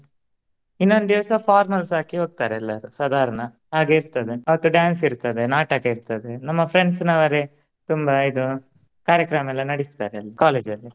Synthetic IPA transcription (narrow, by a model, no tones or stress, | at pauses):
inːo̞nd̪iʋɐsɐpʰaːɾmɐlsaːkiɦoːɡ̚t̪aːɾeːlːɐɾusɐd̪ʱaːɾɐnɐ | ɦaːɡeiɾt̪ɐd̪e̞ɐʋɐt̪ːuɖjaːnsiɾt̪ɐd̪e̞naːʈaːɡeiɾt̪ɐd̪enɐmːɐpʰɾeɳɖsnɐʋɐɾe | t̪umbɐid̪u | kaːɾjɐkɾɐmɛlːɐnɐɽist̪aːɾeɐlːikaːleːd͡ʒɐlːi